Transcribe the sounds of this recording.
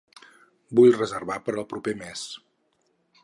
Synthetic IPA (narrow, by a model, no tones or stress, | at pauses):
bujrəzərβapəɾəlˠpɾupemes